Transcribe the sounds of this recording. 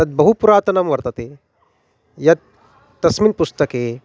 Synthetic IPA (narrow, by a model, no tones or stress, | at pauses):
ɐt̪̚bɐɦupuɾaːt̪ɐnɐmʋɐɾt̪ɐt̪e | jɐd̪̚ː | ɐsminpust̪ɐkeː